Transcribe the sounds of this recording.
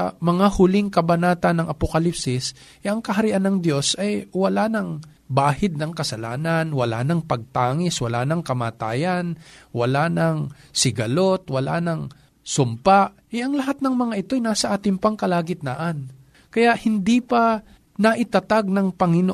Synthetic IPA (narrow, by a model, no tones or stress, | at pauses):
mɐŋahʊlɪŋkɐbɐnaːt̪ɐnːɐŋʔɐpokɐlipsɪs | ʔɛʔɐŋkɐɦɐɾɪʔanːɐŋd̪jo̞sʔɐjwɐlanɐŋ | baːhɪd̪̚nɐŋkɐsɐla̰ːnɐnwɐla̰ːnɐŋpɐɡ̚t̪aːŋɪswɐlaːnɐŋkɐmaːt̪aːjɐnwɐlanɐŋsɪɡɐlo̞t̪wɐla̰nɐŋ | sʊmpaʔʔɛʔɐŋlɐɦat̪̚nɐŋmɐŋaʔɪt̪o̞jnaːsɐʔaːt̪ɪŋpɐŋkɐlaːɡɪt̪̚naʔan | kɐjaʔhɪnd̪ipɐ | nɐʔɪt̪ɐt̪aɡ̚nɐŋpɐŋɪno